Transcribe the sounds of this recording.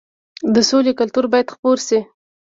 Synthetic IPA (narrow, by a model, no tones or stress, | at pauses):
d̪əsolekʊlt̪uɾbɑjad̪xpoɾsi